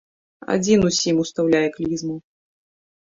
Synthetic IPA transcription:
a̰d͡zʲinusʲimust̪awlʲajɛklʲizmu

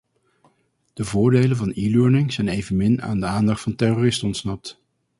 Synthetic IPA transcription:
d̥əvʊːɹdejlənvɑniːløːɹnɪŋz̥ɛjnejvənmɪna̰ːndəaːndɑχtfɑntɛroːrɪstɔntsnɑp̚t

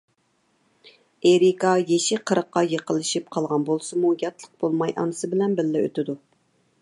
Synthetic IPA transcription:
eɾikɑjeʃiqʰəɾəqːɑjəqəlˠɨʃip̚qʰɑlˠʁɑnbolˠsɨmujɑt̪ʰlˠəq̚b̥olˠmɑjʔɑ̰nɨsɨbɪlɛnbɪlːɪø̰t̪ɪd̪u

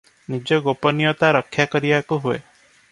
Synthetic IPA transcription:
nid͡ʒɔɡopɔnijɔt̪aɾɔkʰːjakɔɾibakuɦuḛ

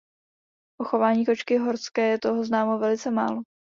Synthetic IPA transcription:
ʔoxo̞vaːɲiːko̞t͡ʃkɪɦo̞ɾskɛːjɛt̪o̞ɦoznaːmovɛlɪt͡sɛma̰ːlo

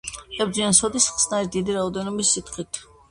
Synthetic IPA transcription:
ʃɛbd̪iansɔd̪isχsnaɾid̪id̪iɾaɔd̪ɛnɔbisːit̪χit̪ʰ

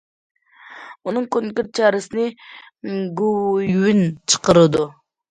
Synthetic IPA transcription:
unɨŋkʲoŋkʲyɾt̪̚t͡ʃʰɑːɾɪsɨnɪ | ɡujwynt͡ʃʰə̥qəɾɨd̪u

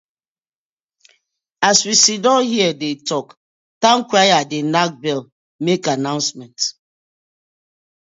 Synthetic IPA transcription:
aswisidɔ̃nhiɛdetɔk | tãnkɹajadenak̚bɛl | mekanãʊ̃nsmɛ̃nt

